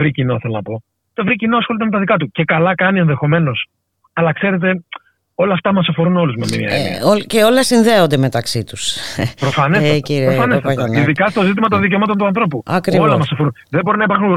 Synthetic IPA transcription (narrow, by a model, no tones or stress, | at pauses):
vɾicinoθe̞lonɐpo̞ | t̪evɾicinoɐsxo̞lit̪me̞t̪ɐðikɐt̪uce̞kɐlɐkɐnie̞nðe̞xo̞me̞no̞s | ɐlɐkse̞ɾe̞t̪̬e̞ | o̞lɐːft̪ɐmɐsɐfo̞ɾuno̞luzmemiɐ̰oce̞o̞lesinðeo̞nd̪eme̞t̪ɐksit̪uspɾofɐneeciɾiofɐnesɐɐniðikɐst̪o̞zit̪imɐt̪o̞nðic̬emɐt̪o̞nt̪uɐnθɾo̞puɐkɾiolɐmɐsɐfoun | ðebo̞ɾinɐipɐɾxun